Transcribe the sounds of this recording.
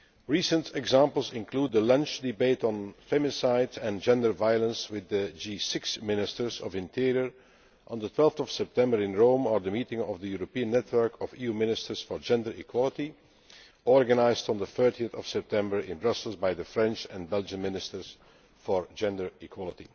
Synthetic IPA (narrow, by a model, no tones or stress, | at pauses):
ɹiːsə̃ntʰɛɡzãmpəl̩ˠzɪ̃nkluːd̪ðəlʌ̃nt͡ʃdɪbeɪtn̩femɪsaɪtɛ̃nd͡ʒɛ̃ndə˞vaɪəlˠə̃nswɪðəd͡ʒiːsɪksmɪnɪstəɹzɔvɪ̃ntʰɪɹiəɹ | ʔə̃nðətʰwɛlˠftɔv̥sɛp̚tʰɛ̃mbəɹɪ̃nɹõʊ̃məɹðəmiːtɪ̃ŋɔvðəjuɹopiə̃nːɛtʰwɜ˞kʰɔvijumɪnɪstəɹsfɔɹd͡ʒɛ̃ndəɹḭkʰwɑlˠəti | ɔɹɡənaɪzd̃n̩ðəθɜɹtiəθɔv̥sɛp̚tʰɛ̃mbəɹɪ̃nbɹʌsəl̩ˠzbajðəfɹɛ̃nt͡ʃɛ̃nbɛlˠd͡ʒə̃nmɪnɪstəɹs | fɔɹd͡ʒɛ̃ndə˞ikʰwɑlˠətḭ